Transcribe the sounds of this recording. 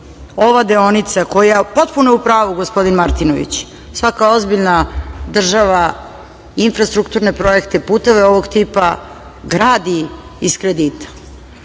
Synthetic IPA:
o̞ʋad̪eo̞nit̪sako̞japo̞t̪puneupɾaːʋuɡo̞spo̞d̪inmaɾt̪inoʋḭt͡ɕ | sʋakao̞zbiʎnad̪r̩ʒaʋa | infɾast̪ɾukt̪uːɾne̞pɾo̞je̞kt̪epuːt̪o̞ʋeo̞ʋo̞ɡt̪iːpa | ɡɾaːd̪iiskɾe̞d̪iːt̪ḁ

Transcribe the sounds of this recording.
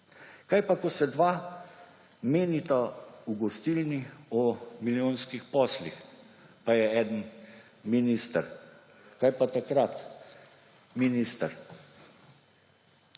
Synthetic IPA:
kajpakɔsɛd̪ʋa | meːnit̪auɡɔst̪ilniɔmiljoːnskixpɔːslix | pajɛɛːd̪ən | minist̪əɾ | kajpat̪akɾat̪ | minist̪əɾ

